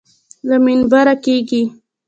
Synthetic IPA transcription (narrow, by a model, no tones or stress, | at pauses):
laminbaɾakeɡi